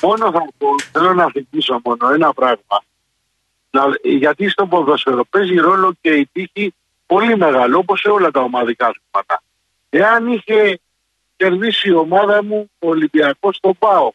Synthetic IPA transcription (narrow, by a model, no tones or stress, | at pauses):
mo̞no̞θɐpoθe̞lo̞nɐθimiso̞mo̞no̞enɐpɾɐɣmɐ | nɐʝɐt̪ist̪o̞poðosoɾope̞ziɾo̞lo̞ceit̪içi | po̞lime̞ɣɐloopo̞seo̞lɐt̪ɐomɐðikɐɐθimɐt̪ɐ̰ | e̞ɐniçe̞ | ce̞ɾðisio̞mɐðɐmuolibiɐko̞st̪o̞bɐo